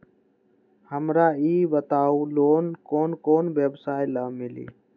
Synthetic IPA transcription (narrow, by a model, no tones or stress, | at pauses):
həmɾaːiːbət̪aːuːloːnkoːnkoːnʋeːbsaːɪlaːmɪlḭː